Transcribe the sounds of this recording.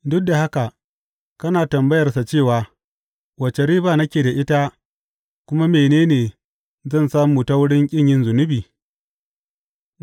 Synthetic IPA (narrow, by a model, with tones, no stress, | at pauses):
dʊ˦k̚da˨ha˦ka˨ʔ | kɐ˦naː˨tɐ˨mbɐ˦jɐ˨rsa˨t͡ʃeː˦˨waː˨ | wɐ˨t͡ʃe˨ɾiː˦baː˨nɐ˦kʲeː˨da˨ʔɪ˦ta˦ | kʷʊ˦ma˦meː˨neː˦neː˨ | zɐ˦˨nsaː˦muː˨ta˦wʊ˦ɽɪ˦ŋkʲʼɪ˦ɲjɪ˦nzʊ˨nʊ˦biː˨